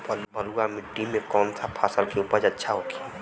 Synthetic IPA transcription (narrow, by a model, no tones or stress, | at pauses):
pəlpəɾuamɪʈːimẽkɔːnt̪ʰapʰaːsəlkeuːpəɾd͡ʒɐtːʃʰaɦoːki